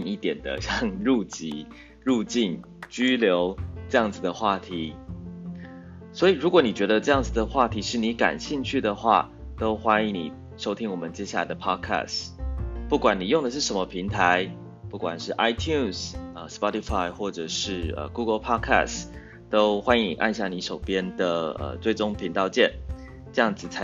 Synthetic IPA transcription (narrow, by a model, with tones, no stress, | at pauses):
ŋi˥˩t̪jɛ˨˩nd̪ə̰˦ɕjɑ˥˧ŋɻu˥˧t͡ɕḭ˧˥ | ɻu˥˧t͡ɕi˥˩n | t͡ɕy˥ljo˧˦˥ʊʈ͡ʂɤ˥˧jɑ˥˩ŋd͡zɹ̩˨˩d̪ə˩xwa˥˩t̪ʰi˨˧˦ | swɔ˧˥i˨˩ɻu˧˥kwɔ˧˦ni˨˩t͡ɕɥɛ˧˥d̪ə˧ʈ͡ʂɤ˥˧jɑ˥˩ŋd͡zɨ˨˩d̪ə˩xwa˥˩t̪ʰi˨˥ʂɻ̩˥˩ni˧˥ka̰˨˩nɕi˥˧ŋt͡ɕʰy˥˩d̪ə˩xwa̰˥˩ | t̪o˥ʊxwa˥ni˧˥nḭ˨˩ | ʂo˥ʊt̪ʰi˥ŋwɔ˨˩mə˨nt͡ɕjɛ˥ɕja˥˩la̰˧˩ɪd̪ə˨pʰɑ˥kʰæ̰˥˩s | pu˥˩kwa˨˩ni˨˩jo˥˩ŋd̪ə˩ʂ̬ɻ̩˥˩ʂə˧˥nmə˧pʰi˧˥˦ŋt̪ʰa˧˦ɪ | pu˥˩kwa̰˨˩nʂɻ̩˥˩ʔa˥ɪt̪ʰju˥˨nsə˨˩spɑ˦˥t̪i˧fa˥˩ɪxwɔ˥˩ʈ͡ʂɤ˨˩ʂɻ̩˥˩ə̰˩ɡu˥ɡə˧lpʰɑ˥kʰa̰˥˩s | t̪o˦˥ʊxwa˥ni˧˥ni˨˩ʔa̰˥˧nɕja˥˩ni˧˥ʂo˨˩ʊpjɛ˥nd̪ə˨˩ə̰˨˩t͡swe˥˩ɪʈ͡ʂo˥ŋpʰi˧˥ŋt̪ɑ˥˧ʊt͡ɕjɛ˥˨˩n | ʈ͡ʂɤ˥˧jɑ˥˩ŋd͡zɹ̩˨˩t͡sʰa˧˦